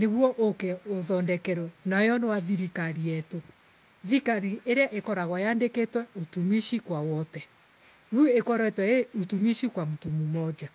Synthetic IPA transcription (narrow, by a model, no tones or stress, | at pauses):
neɣwɔʔokeoðɔndɛkɛɾɔnajɔnɔwaðiɾikaɾiɛto | ðikaɾiʔeɾeaʔekɔɾaɣwajandeketwɛotumiʃikwawɔtɛ | wuekɔɾɔetwɛeutumiʃikwamutumumɔd͡ʒa